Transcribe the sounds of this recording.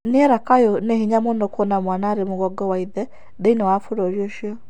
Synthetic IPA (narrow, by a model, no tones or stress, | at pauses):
niɛɾakajɔnɛhiɲamonɔkɔnamwanaːɾemoɣɔɡɔwaiðɛ | deinɛwafoɾɔɾiɔʃiɔ